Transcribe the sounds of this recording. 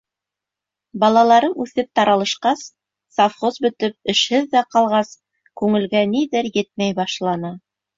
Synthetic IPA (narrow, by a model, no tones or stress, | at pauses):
bɑlˠɑlˠɑɾɤnʉθɘp̚t̪ɑɾɑlˠɤ̆ʃqɑsː | afχozbɵ̆t̪ɘp̚ɘ̆ʃhɘðːæqɑlˠʁɑs | kʉŋɘ̆lɡæniðɘɾjɘt̪̚mæjbɑʃlˠɑnɑ